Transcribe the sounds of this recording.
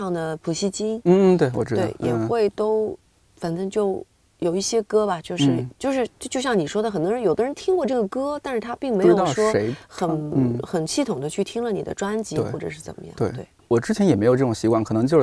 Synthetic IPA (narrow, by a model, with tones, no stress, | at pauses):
ɑ˥˩ŋd̪ə˩pʰu˧˥˩ɕi˥t͡ɕi˥ŋn̩˥˧t̪we˥˩ɪwɔ̰˨˩ʈ͡ʂɻ̩˥d̪we˥˩ɪjʔɛ̰˨˩xwe˥˩ɪt̪o˥ʊ | fə˨˩nt̪ə˥ŋt͡ɕjo˥˩ʊ | jo˨˩ʊi˥˩ɕjɛ˥kɤ˥bɐ˨t͡ɕjo˥˧ʊʂɻɻ̩˥˩t͡ɕjo˥˧ʊʂɻ̩˥˧˥t͡ɕjɕjɑ˥˩ŋni˨˩ʂwɔ˥d̪ə˨xə˨˩nt̪wɔ˥ɻə˧˥jo˨˩ʊd̪ə˦ɻnt̪ʰi˥ŋkwɔ˥˧ʈ͡ʂɤ˥˩ɡə˩kɤ˥t̪a˥˧nʂɻ̩˥˩t̪ʰa˥pi˥˩ŋme˧ɪ˥ɻo˥ɑ˥˩˨ʊʂwɔ˥e˧˥ɪxə˨˩n˧xə˨˩nɕi˥˩t̪ʰʊ˨˩ŋd̪ə˦t͡ɕʰy˥˩t̪ʰi˥ŋlə˧ni˨˩d̪ə̰˦ʈ͡ʂwa˥nt͡ɕi˧˥xwɔ˥˩ʈ͡ʂɤ̰˨˩ʂɻ̩˥˩t͡sə̰˨˩nmə˦jɑ̰˥˩˧we˥˩t̪we˥˩ɪwɔ˨˩ʈ͡ʂɻ̩˥t͡ɕʰɛ˧˥njɛ˨˩me˧˥ɪjo˨˩ʈ͡ʂʈ͡ʂʊ˨˩ŋɕi˧˥kwɑ˥˩ŋkʰɤ˨˩nɤ˧˥ŋt͡ɕj